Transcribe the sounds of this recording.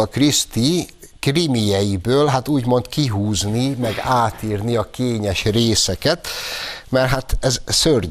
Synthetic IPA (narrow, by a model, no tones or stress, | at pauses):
ɒkrist̪i | krimijɛjibøːlɦat̪uːɟmo̞nt̪kiɦuːznimɛɡaːt̪iːrniɒkeːɲɛʃreːsɛkɛt̪mɛrɦat̪ɛzsør